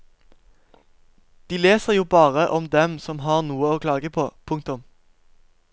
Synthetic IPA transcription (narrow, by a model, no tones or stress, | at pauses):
d̪̥iːleːsəʁjuːbɑːʁəʔɔmd̪ɛmsɔmɦɑːʁnuːəoːkʰlɑːɡəpʰoːpʰʊŋkt̪ʊm